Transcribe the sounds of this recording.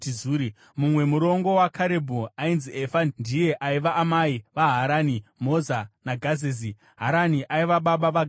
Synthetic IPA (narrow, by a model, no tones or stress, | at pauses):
izuɾi | mumwe̞muɾo̞ŋɡo̞wakʰaɾe̞bʱuainziʔefandije̞ʔaiʋaʔːmaiʋaɦaɾanimo̞zanaɡʱazezi | ɦaɾaniʔaiʋaɓaɓaʋaɡ